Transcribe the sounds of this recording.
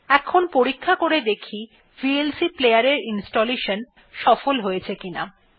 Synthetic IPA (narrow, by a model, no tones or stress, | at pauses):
ɛkʰonpoɾikʰːakoɾed̪ekʰi | fielsiplejaɾeɾinsʈoleʃon | ʃɔfolɦojet͡ɕʰekina̰